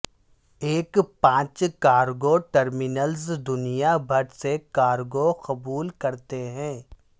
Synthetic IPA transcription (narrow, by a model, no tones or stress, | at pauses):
eːkpãːt͡ʃkaːɾɡoʈəɾmɪnəlzd̪ʊnijabʱɐɾsekaːɾɡoqɐbuːlkɐɾt̪eɦɛ̃ː